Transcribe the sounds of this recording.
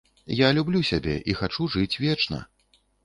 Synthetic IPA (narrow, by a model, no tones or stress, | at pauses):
jalʲublʲusʲabʲɛ̰ʔixat͡ʂuʐɨt͡sʲvʲɛt͡ʂnɐ̰